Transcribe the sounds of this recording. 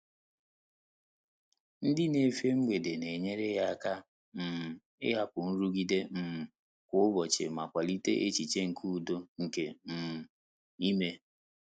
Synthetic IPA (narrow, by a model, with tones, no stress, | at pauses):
n̩˦dɪ˦ne˨˦fe˦ŋ͡m̩˦ɡ͡be˨de˨ne˨ɲe˦ɾe˦ja˦a˦˨ka˦ | m̩˨ | ɪ̰˦ɦa˦kʊ˨n̩˦ɾu˦ɡi˦de˦m̩˨ | kʷʊ˦ʊ˦bɔ˨t͡ʃḛ˨ma˨kʷa˨li˦tḛ˦ʔe˦t͡ʃi˨t͡ʃe˦ŋ̩˨kʰu˦˨do˦ŋ̩˨ke˨m̩˨m̩˨ | i˦me˦